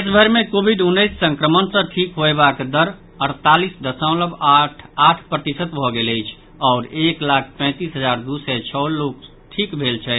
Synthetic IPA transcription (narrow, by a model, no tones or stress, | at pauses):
esbʱəɾmekobʱiɖunːəjsːə̃ŋkɾəmənsə̃ʈʰikɦoebakd̪əɾ | əɽt̪alisd̪əsə̃ʊ̃ləbaʈʰpɾət̪isət̪bʱɔɡeləjt͡ʃʰ | ɔːɾeklak̚ʰpɛ̃t̪isɦəd͡ʒaɾd̪usɛt͡ʃʰɔlok | ʈʰikbʱelt͡ʃʰɛ